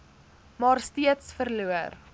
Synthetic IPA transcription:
mɑːrstiətsfərluər

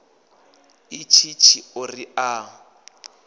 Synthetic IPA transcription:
ɪt͡ʃʰit͡ʃʰiʊriaːŋ̩

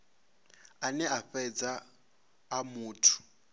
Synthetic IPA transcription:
anɛaɸɛd͡zaː | muːtʰʊ̥

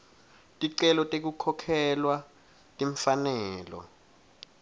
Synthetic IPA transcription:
tʼiǀɛlɔtʼek̬ukʰɔkʰɛlwa | tʼiɱfanɛːlɔ̰

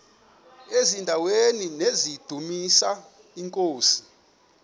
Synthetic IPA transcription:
ezindʱaweninezid̥ʱumisa | iŋkʼoːsi̥

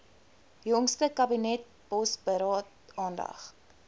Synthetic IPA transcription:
jɔŋstəkɐbinɛt̚ | bɔsbəɾɑːt | ɑːndɐ̰χ

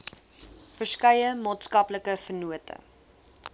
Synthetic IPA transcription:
fərskɐjəmɑːtskɐpləkəfərnuətə̰

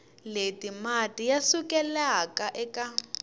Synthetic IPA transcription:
letimatʼijasukɛlakaʔɛka

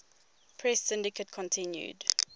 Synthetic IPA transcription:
pʰɹɛsɪ̃ndɪkət̚kʰɔ̃ntʰɪ̃njṵd

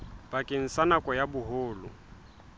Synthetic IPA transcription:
bakʼɪn̩sanakʼɔjabʊɦoːlʊ̰

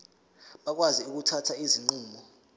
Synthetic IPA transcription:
ɓak̬waziuk̬utʰatʰaiziŋ͡ǃuːmbɔ

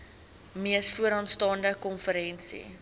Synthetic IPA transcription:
miəsfuəɾɑːnstɑːndəkɔnfəɾɛnsḭ

